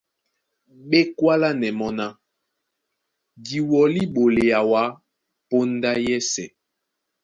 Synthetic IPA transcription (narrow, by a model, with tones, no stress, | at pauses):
ɓe˦kwa˦la˦nɛ˨mɔ˦na˦ | ɡi˨wɔ˨li˦ɓo˨le˨a˨wa˨˦ | po˦n˦da˦jɛ˦sɛ˨